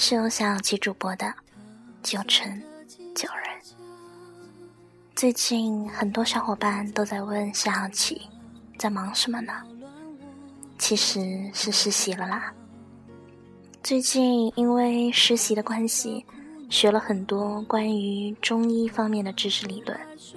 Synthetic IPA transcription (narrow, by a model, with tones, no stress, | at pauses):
ʂɻ̩˥˧jo˧˥ʊɕjɑ˥˩ɑ˥˩ʊt͡ɕʰi˧˥ʈ͡ʂu˨˩pwɔ˧˥d̪ə˧t͡ɕjo˨˩ʊʈ͡ʂʰə˧˥nt͡ɕjo˨˩ʊɻə˧˥n | t͡swe˥˧ɪt͡ɕi˥˧nxə˨˩nt̪wɔ˥ʂjɑ˧˥ʊxwɔ˨˩pa˥˩nt̪o˥ʊt͡sa˥˧ɪwə˥˧nɕjɑ˥˩ɑ˨˥˩t͡ɕʰḭ˨˩t͡sa˥˩ɪmɑ˧˥ŋʂə˧˥mə˧nə˩ | t͡ɕʰi˧˥ʂɻ̩˧˥ʂɻ̩˥˩ʂɻ̩˧˥ɕi˧˥lə˧lə˧˩ | t͡swe˥˧ɪt͡ɕi˥˩ni˥nwe˥˩ɪʂɻ̩˧˥ɕi˧˥d̪ə˧kwa˥nɕḭ˨ɕɥɛ˧˥lə˧xə˨˩nt̪wɔ˥kwa˥ny˧˥ʈ͡ʂʊ˥ŋi˥˩fɑ˥ŋmjɛ˥˩nd̪ə˩ʈ͡ʂɻ̩˥ʂʰɻ̩˥˩li˨˩lwə̰˥˩n